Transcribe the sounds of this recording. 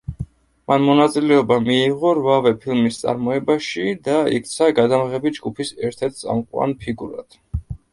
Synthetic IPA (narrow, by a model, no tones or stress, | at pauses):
manmɔnat̪sʼilɛɔbamiːʁɔɾvavɛpʰilˠmist̪sʼa̰ɾmɔɛbaʃid̪aḭkʰt̪sʰaɡad̪amʁɛbid͡ʒɡupʰisɛɾt̪ʰɛɾt̪̚ʰt̪sʼa̰mqʼwa̰npʰiɡuɾa̰d̪̥